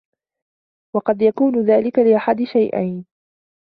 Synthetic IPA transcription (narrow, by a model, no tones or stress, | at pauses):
wɑqɑd̪jakuːnʊðaːlɪkalɪʔaħad̪ɪʃajʔa̰jn